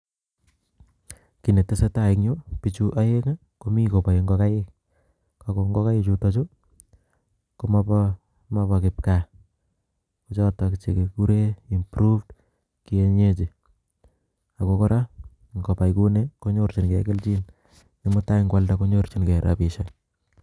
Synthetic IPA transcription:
ki˨ne˨te˦se˦ta˦ɪkɲo˦pit͡ʃu˦ʔa˦je˦ŋa˦ | ko˨mi˦ko˨pa˨i˨ŋɡɔka˦ɪ˦ | kako˨ŋɡɔ˦ka˦ji˦t͡ʃutɔt͡ʃo˦ | ko˦map | ma˦bakɪp̚ka˨ | ko˦t͡ʃa˦takt͡ʃe˨ke˨ku˦ɾe˦i˨mpɾu˦fd | kie˦ɲe˦t͡ʃi˨ | a˨kokɔ˦ɾʔa˦ | ŋko˨pa˨jku˦neko˦ɲo˦ɾt͡ʃi˨nkḛ˨kɪ˦lt͡ʃi˦n | nimu˦ta˦ɪŋɡwaldako˦ɲoɾt͡ʃi˨nkɛ˨ɾa̰pi˨ʃa

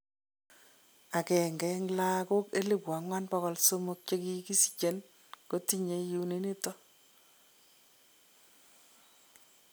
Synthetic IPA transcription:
a˨kɛ˨ŋɡɛ˨ŋla˦ko˦ke˦li˨pwa˨ŋwa˦nbɔ˦ɣɔ˦lso˦mʊ˦k̚t͡ʃe˦ki˦ki˦si̥˨t͡ʃe˨n | ko˦ti˦ɲe˦ju˨˦ni˦ni˦tɔ˦

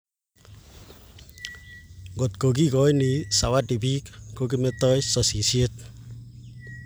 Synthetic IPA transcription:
ɡo˨t̪kok̬i˦kɔ˦jni˨sa˨wadi˨bi˦kkok̬i˦met̪ɔ˦jsɔ˨si˨sjet̪̚

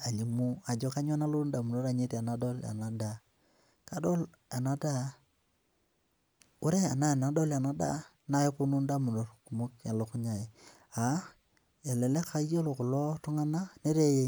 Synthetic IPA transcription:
a˨li˨mu˦a˨d͡ʒɔ˦ka˦ɲ˦ɔ˦na˦lo˦nda˨mu˨no˦ɾa˨ɲe˦ta˨na˦dɔ˦la̰˨na˨da˦ | ka˨dɔ˦l | a˨na˨da˦ | o˦ɾe˦a˨na˦˨na˨dɔ˦la˨na˦da̰˦ | na˦e˦po˦nu˦nda˦mu˨no˨rku˨mu˦ka˨lo˨kʊ˦ɲa˨e˨ | a˨ | ɛ˨lɛ˨le˦kʰa˦jo˦lo˨kʊ˨lɔ˦tʊ˦ŋa˦na˦ne˦ɾe˦je˦

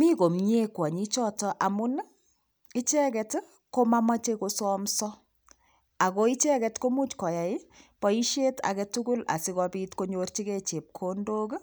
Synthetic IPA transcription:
mi˦ko˨mɲe˦kwa˨ɲi˦t͡ʃɔ˦tɔ˨ʔa˨mu˦n˦ | i˦t͡ʃɛ˦kɛ˨t | ko˦ma˦ma˦t͡ʃe˦ko˧sɔ˦msɔ˦ | a˨ko˦i˦t͡ʃɛ˦kɛ˨tko˦mu˦t͡ʃkɔ˨ja˨i˦pɔ˨i˦ʃe˦ta̰˨kɛ˧tuku˦la̰˨si˦kɔ˧piː˦tko˦ɲo˦rt͡ʃi˦ke˦t͡ʃe˨p̚kʰo˦ndoː˦k

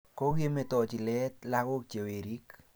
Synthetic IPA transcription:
ko˦ke˦me˨tɔ˨t͡ʃi˨lɛ˦tla˦ko˦k̚t͡ʃe˨we˨ɾi˦k

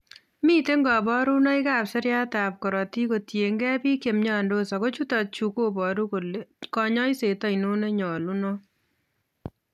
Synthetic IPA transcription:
mi˦te˦ŋɡɔ˨bɔ˦ɾu˦nɔ˦i˦ka˦pse˦ɾja˦tap̚kɔ˨ɾɔ˨ti˦ko˨tje˨ŋɡɛ˦pi˦kje˨mɲɔ˦ndo˦sɔ˨ko˦t͡ʃu˦tɔ˨t̚t͡ʃu˨ko˦bɔ˨ɾu˦kolkɔ˨ɲɔ˦jse˨tɔ˦ino˦ne˦ɲɔ˨lu˦nɔ˦

